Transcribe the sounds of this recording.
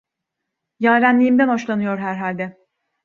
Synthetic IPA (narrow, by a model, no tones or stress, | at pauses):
jaːɾʲænlʲijimd̪ænho̞ʃlˠanɯjo̞ɾɦæɾɦalʲd̪ɛ